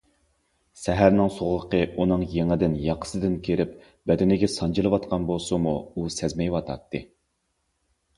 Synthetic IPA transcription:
sɛɦæɾnɪŋsoʁʊqʰəʔunɨŋjeŋɪd̪ɪnjɑqʰsɨd̪ɪnkʲʰeɾɪp̚ | bɛd̪ɪnɪɡʲɛsɑnd͡ʒilˠɨwɑt̪̚qʰɑnbolˠsumuusɛzmɛjwɑt̪ʰɑ̰t̪ʰːɨ

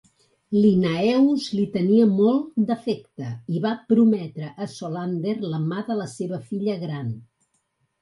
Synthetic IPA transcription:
linaɛwzlit̪əniəmɔlˠd̪əfɛkt̪əiβapɾumɛt̪ɾəʔːsoland̪erləmaðələseβəfiʎəɣɾan

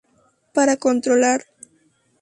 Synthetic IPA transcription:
paɾakont̪ɾolaɾ

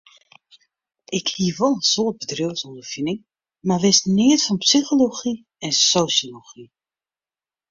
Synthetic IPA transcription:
ɪkhiəʋolˠənsoət̚bədryəsɔndərfinɪŋ | maʋɪsnɪətfɔnpsixoloxi | ɛnsoːsjoloxi

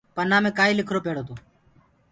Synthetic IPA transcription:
pənaːmẽːkaːiːlɪkʰɾoːpeːɽoːt̪ʰoː

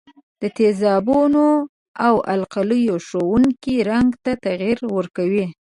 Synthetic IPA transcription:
d̪̥ət̪ezɑbuno | awa̰lqaləjoʃowuŋkiɾaŋɡt̪at̪aɣiɾwəɾkawi

